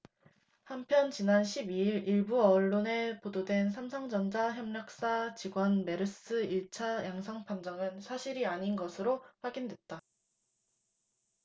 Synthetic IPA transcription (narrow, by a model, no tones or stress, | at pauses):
hampʰjʌnt͡ɕinanɕʰibiiɾiɭbuʌɭːone̞pododwe̞nsʰamsʰaŋd͡ʑʌnd͡ʑaçjʌmɲʌk̚s͈at͡ɕiɡwʌnme̞ɾɯs͈ɯiɭt͡ɕʰajaŋsʰʌŋpʰand͡ʑʌŋɯnsʰaɕʰiɾiaɲinɡʌsʰɯɾoɸwaɡindwe̞t̚t͈a